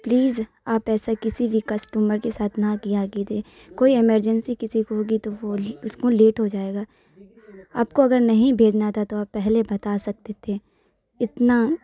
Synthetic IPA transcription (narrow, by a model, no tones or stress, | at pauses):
pliːz | aːpɛːsakɪsibʱikɐsʈuːməɾkesaːt̪ʰnãkijaɡit̪ʰe | koːiɪməɾd͡ʒənsikɪsikoɦoːɡit̪oʋoʊskoleːʈɦod͡ʒaːeːɡaː | aːp̚koɐɡəɾnɐɦĩbʱeːd͡ʒnat̪ʰat̪oaːpːɛɦlebɐt̪aːsɐk̚t̪et̪ʰe | ɪt̪na